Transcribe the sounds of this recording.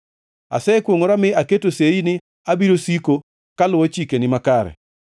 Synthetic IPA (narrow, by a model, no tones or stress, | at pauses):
a̰sɛkwoŋoɾamɪaketoseinɪ | abiɾosiko | kalʊwot͡ʃikenɪmakaɾɛ̰